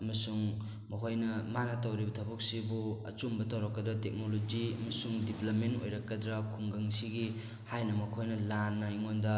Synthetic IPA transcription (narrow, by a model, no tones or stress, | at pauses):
ɐmɐsuŋ | mɐkʰojnɐmanatawɾibɐtʰɐbuk̚sibuɐ̰t͡ʃumbɐtʰawɾɐkːɐdɐtek̚nolod͡ʒiɐ̰mɐsuŋdiplɐp̚mento̰jɾɐkːɐdɾɐkʰuŋɡɐŋsiɡi | hajnɐmɐkʰojnɐlanːajŋondɐ